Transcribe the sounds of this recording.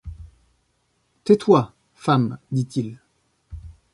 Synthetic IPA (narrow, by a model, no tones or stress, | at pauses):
t̪ɛt̪wa | famd̪it̪il